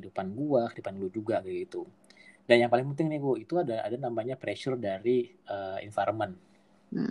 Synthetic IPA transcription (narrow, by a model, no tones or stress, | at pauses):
idupanɡuakidupanɡlud͡ʒuɡaɡiɡit̪u | ɡanjaŋpalɪŋpənt̪ɪŋnɪɡoit̪uadaa̰danamaɲapɾeʃərdaɾi | əḭnfaɾəmən̩